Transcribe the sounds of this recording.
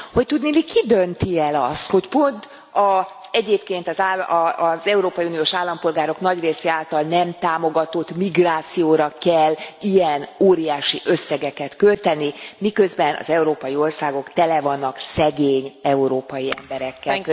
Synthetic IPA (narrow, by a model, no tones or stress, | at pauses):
ho̞c̚t̪ud̪nilikid̪ønt̪iɛlɒst̪ho̞cpo̞nt̪ | ɒzɛɟeːpkeːnt̪ɒzaːlzɛuɾoːpɒjiunijoːʃaːlːɒmpo̞lɡaːɾo̞knɒɟreːseaːlt̪ɒlnɛmt̪aːmo̞ɡɒt̪o̞t̪ːmiɡraːt̪sijoːɾɒkɛlːijɛnoːɾijaːʃiʔøsːɛɡɛkɛt̪kølt̪ɛnimikø̞zbɛnɒ̰zɛuɾoːpɒjio̞rsaːɡo̞kt̪ɛlɛvɒnːɒksɛɡeːɲɛuɾoːpɒjiɛ̰mbɛɾɛkːɛ